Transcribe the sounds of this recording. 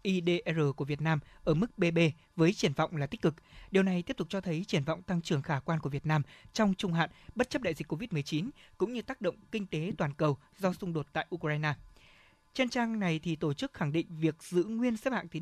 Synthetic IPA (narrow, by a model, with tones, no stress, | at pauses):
ʔi˧ɗe˧ʔɛ˧zəː˨˩ku˧˩əvi˨˩ət̚naː˧mʔəː˧˩mɨ˦˥k̚ɓe˧ɓe˧ | vəː˨˦jt͡ɕi˧˩ənvɔ̰˧˨wŋ͡mlaː˨˩t̪i˦˥k̟kɨ˨˩k̚ɗi˨˩əwna˨˩jt̪i˦˥pt̪ʊ˨˩t͡ɕɔ˧t̪ʰə˨˦jt͡ɕi˧˩ənvɔ̰˧˨wŋ͡mt̪a˧ŋt͡ɕɨ˨˩əŋxaː˧˩kwaː˧nku˧˩əvi˨˩ət̚naː˧mt͡ɕɔ˧wŋ͡mt͡ɕʊ˧ŋ͡mɦa̰ː˧˨nɓə˦˥t̚t͡ɕə˦˥p̚ɗa̰˧˨zï˨˩kːo˧vi˦˥t̚mɨ˨˩əjt͡ɕi˨˦nkʊ̰˧˥ŋ͡mɲɨ˧t̪aː˦˥k̚ɗo̰˧˨wŋ͡mkï˧ŋ̟t̪e˨˦t̪waː˨˩nkə˨˩w | zɔ˧sʊ˧ŋ͡mɗo˨˩t̚t̪a̰ː˧˨jʔu˧kzaː˧jnaː˧ | t͡ɕɛ˧nt͡ɕaː˧ŋna˨˩jt̪ʰi˨˩t̪o˧˩t͡ɕɨ˦˥k̚xa˧˩ŋɗḭ˧˨ŋ̟vi˨˩ək̚z̥ɨ̰˧˨ŋwi˧ənsɛ˦˥p̚ha̰ː˧˨t̪i˨˦